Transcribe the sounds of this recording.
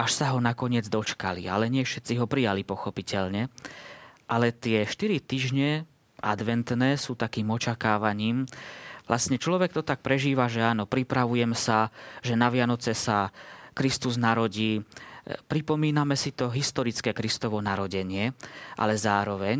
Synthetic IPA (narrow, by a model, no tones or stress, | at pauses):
aʃsaɦɔnakɔɲɪɛd͡zd̪ɔt͡ʃka̰lḭa̰lɛɲɪɛfʃɛt̪t͡siɦɔpɾijalipɔxɔpicɛʎɲɛ | ʔalɛt̪ɪɛʃt̪iɾit̪iːʒɲɛ | ʔad̪ʋɛnt̪nɛːsuːt̪akiːmɔt͡ʃakaːʋaɲiːmʋlʔasɲɛt͡ʃlɔʋɛk̚t̪ɔt̪ak̚pɾɛʒiːʋaʒɛaːnɔpɾipɾaʋujɛmsaʒɛnaʋɪanɔt͡sɛsakɾist̪uznaɾɔɟiː | pɾipɔmiːnamɛsit̪ɔɦist̪ɔɾit͡skɛːkɾist̪ɔʋɔnaɾɔɟɛɲɪɛʔa̰lɛzaːɾɔʋɛɲ